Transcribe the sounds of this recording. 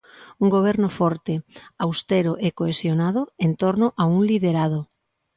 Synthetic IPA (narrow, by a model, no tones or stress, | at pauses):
uŋɡoβ̞ɛɾnʊfɔɾt̪ɪawst̪eɾʊʔekoesjonaðʊent̪oɾnʊʔauŋliðeɾað̞ʊ